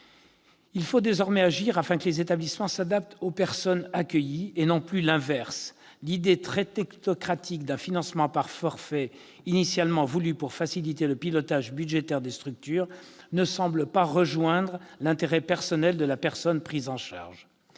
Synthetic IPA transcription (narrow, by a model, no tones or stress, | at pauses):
ilfod̪ezɔʁmɛaʒiʁafɛ̃kəlezet̪ablismɑ̃sad̪ap̚t̪opɛʁsɔnakʲəjienɔ̃plylɛ̃vɛʁs | lid̪et̪χɛt̪ɛknɔkχat̪ʰikd̪ɛ̃finɑ̃smɑ̃paʁfɔʁfɛ | inisjalmɑ̃vulypuʁfasilit̪eləpilɔt̪aʒbyd̪ʒet̪ɛʁd̪est̪χyk̚t̪yːʁ | nəsɑ̃bləpaʁəʒwɛ̃d̪ʁlɛ̃t̪eʁɛpɛʁsɔnɛld̪əlapɛʁsɔnpχizɑ̃ʃa̰ʁʒ